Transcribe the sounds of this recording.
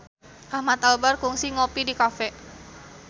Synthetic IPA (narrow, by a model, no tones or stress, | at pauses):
ʔahmat̪albarkuŋsiŋopidikafɛ